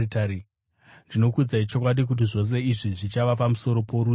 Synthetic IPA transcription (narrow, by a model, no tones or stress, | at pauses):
itaɾi | ndino̞kud͡zait͡ʃo̞k̬waɗik̬ut̬iʐo̞s̬e̞iʐiʐit͡ʃaʋap̬amuso̞ɾo̞po̞ɾu